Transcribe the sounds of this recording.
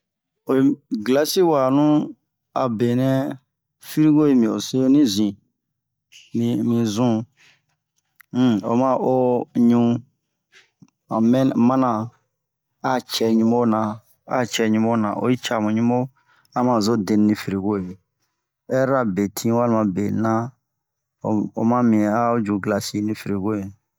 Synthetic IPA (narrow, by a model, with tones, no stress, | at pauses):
o˨i˨ɡla˦si˦wa˨nũ˦ | a̰˨be˨nɛ̃˦ | fi˦ɾi˦ko˦je˨mĩ˨o˨se˦nĩ˦zĩ˨ | mĩ˨mĩ˨zũ˦ | o̰˨mã˦˨ʔo˦ɲũ˦ | a˨mɛ˦nmã˦nã˨ | a˦t͡ʃɛ˨ɲũ˦mo˦nã˨ | a̰˦t͡ʃɛ˨ɲũ˦mo˦nã̰˨ʔo̰˦i˦t͡ʃa˨mũ˨ɲũ˦mo˦ | ã˦mã˨zo˦de˨nnĩ˨fi˨ɾe˨ɡo˦je˨ | ɛ˦ɾa˦be˨tʰĩ˦wa˦lmã˨bḛ˨nã˦ | o˨o̰˨mã˦mĩ˨a˦o˦d͡ʒu˨ɡla˨si˦nĩ˦fi˨ɾe˨ɡo˦je˨